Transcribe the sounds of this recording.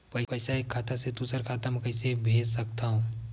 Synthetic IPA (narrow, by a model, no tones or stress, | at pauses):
pɐɪpɐɪsaekʰːaːt̪ased̪uːsəɾkʰaːt̪amɛ̃kɐɪsebʱeːd͡ʒsɐkt̪aɦũː